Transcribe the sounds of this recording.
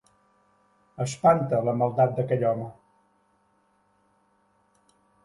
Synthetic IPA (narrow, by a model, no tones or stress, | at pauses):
əspant̪ələməlˠd̪at̪̚d̪əkɛʎɔmə